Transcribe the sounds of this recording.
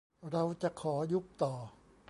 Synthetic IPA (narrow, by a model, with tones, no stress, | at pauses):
ɾa˧wt͡ɕa˨˩kʰɔː˩˦ju˦˥p̚t̪ɔː˨˩